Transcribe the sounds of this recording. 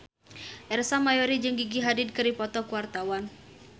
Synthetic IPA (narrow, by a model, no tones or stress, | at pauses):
ʔɛrsamajɔɾid͡ʒɨŋɡiɡiɦadɪd̚kɨripɔt̪ɔkuwart̪awan